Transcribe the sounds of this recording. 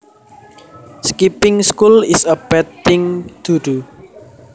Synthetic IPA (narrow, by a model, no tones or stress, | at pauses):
skipɪŋskulɪsəb̥ɛt̪ːɪŋd̪̥ud̥u